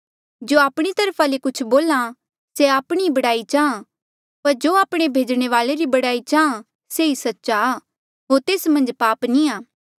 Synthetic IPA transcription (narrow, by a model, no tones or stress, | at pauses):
d͡ʒoːaːpɽ̃it̪ɐɾpʰalekʊt͡ʃʰboːlã | seaːpɽ̃ibɐɽaːit͡ʃaːã | pɐɾd͡ʒoːaːpɽ̃ebʱeːd͡ʒɽ̃eʋaːleɾibɐɽaːit͡ʃaːã | seisɐtːʃa | ɦoːɾt̪eːsmɐ̃nd͡ʒpaːpnĩaː